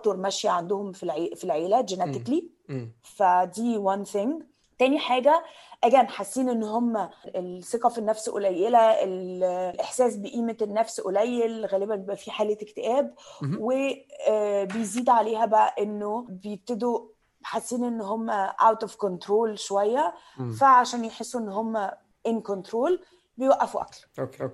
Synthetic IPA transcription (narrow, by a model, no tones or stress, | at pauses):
t̪oɾˤmæʃjæʕand̪ohomfilʕefilʕeːlæd͡ʒenæt̪ekli | fæd̪iːwænθeŋɡ | t̪æːniħaːɡæ | ʔæɡæːnħasːiːnʔenːoɦomːæelseqɑfenːæfsʔo̰læjːelæʔellʔeħsæːs̬beʔiːmeenːæfsʔolæjːelɣæːlebænjebʔæfiħaːlet̪ekt̪eʔæːbweː | bejziːd̪ʕaleːhæbæʔæʔenːobejeb̚t̪ed̪o | ħasːiːnʔenːɦomːæʔa̰wt̪ufkont̪ɾoːlʃowæjːæ | fæʕaʃæːnjeħesːuʔenːɦomːæ | ʔenkont̪ɾoːl | bejwæʔːæfuʔæ̰kl